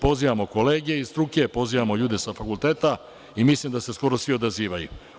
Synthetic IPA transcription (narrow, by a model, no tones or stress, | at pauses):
po̞ziʋamoko̞le̞ːɡeist̪ɾuke̞po̞ziʋamo̞ʎuːd̪e̞safakulˠt̪eːt̪a | imislˠimd̪ase̞sko̞ɾosʋio̞d̪aziːʋajṵ